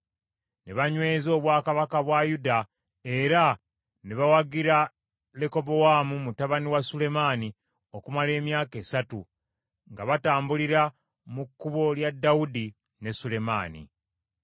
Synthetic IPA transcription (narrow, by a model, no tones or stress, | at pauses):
neβaɲwe̞ːzo̞ːβwaːkaβakaβwajuda | e̞ɾa | neβawaɡiɾa | leko̞bo̞wamumutaβaniwasule̞maːni | o̞kumale̞ːmjaːke̞ːsatu | ŋɡaβataːmbuliɾa | mukːuβo̞ljadːawudi | ne̞sule̞ma̰ːnḭ